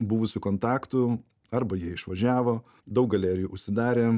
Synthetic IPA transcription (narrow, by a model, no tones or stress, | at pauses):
buːʋʊsʲʊkoːnt̪ɑːkt̪ʊ | ɐɾbɐjiɛɪʃʋɐʒʲæːʋoː | d̪ɐʊk̚ɡɐlʲæːɾʲɪjuːʔʊʃʲsʲɪd̪ɑːɾʲeː